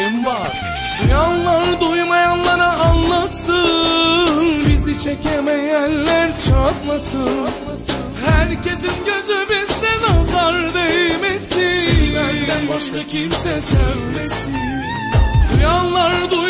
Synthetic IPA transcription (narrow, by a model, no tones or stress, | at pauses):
invaɾ | janlˠaɾd̪ujmajanlˠaɾaʔːnlˠasɯ | nbizit͡ʃʰecemɛjællːæɾt͡ʃʰat̪masɯt̪masɯ | hæɾce̞sinɟøzybizt̪ɛnozaɾd̪emesid̪ænd̪ænbaʃkacʰimsɛsøldesi | janlːˠaɾd̪uj